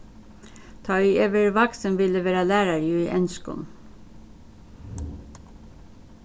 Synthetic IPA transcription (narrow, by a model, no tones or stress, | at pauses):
t̪ʰɑieːʋəɹʋɑksənʋɪləʋeːɾɑlæːɾɑɾjuːiːʔɛnskʊ̰n